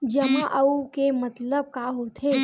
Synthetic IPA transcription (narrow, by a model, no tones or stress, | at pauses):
d͡ʒɐmãʔəukemɐt̪ləb̚kaɦot̪ʰe